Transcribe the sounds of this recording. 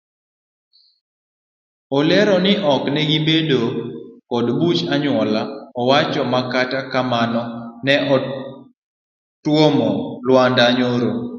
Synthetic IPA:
ɔlɛɾɔnɪʔɔknɛɡibedokɔdbut͡ʃaɲwɔlaɔwat͡ʃɔmakatakamanɔnɛʔɔ | twomɔlwandaɲoɾo

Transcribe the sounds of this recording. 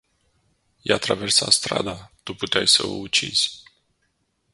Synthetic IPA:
jat̪ɾave̞rsast̪ɾa̰d̪at̪uput̪eajsə̰o̰ut͡ʃiz̥ʲ

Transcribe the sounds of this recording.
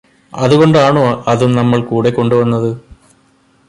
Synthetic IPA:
ɐðuɣo̞ɳɖɨaːɳoːɐðumnɐmːɐɭkuːɽe̞kːo̞ɳɖuʋɐnːɐðɨ

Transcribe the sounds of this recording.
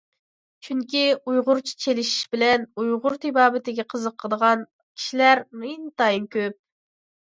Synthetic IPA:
t͡ʃʰyŋkʲiujʁʊɾt͡ʃʰi̥t͡ʃʰelɪʃi̥ʃbɪlɛnujʁʊɾt̪ʰɪbɑːbɪt̪ɪɡʲɛqʰəzəqʰːəd̪əʁɑn | kʲʰi̥ʃilæɾmint̪ɑjinkʲøp̚

